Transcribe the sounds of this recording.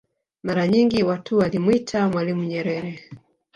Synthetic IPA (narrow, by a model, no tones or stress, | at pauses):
maɾaɲiŋɡiwatʰuwalimwitʰamwalimuɲɛɾɛɾɛ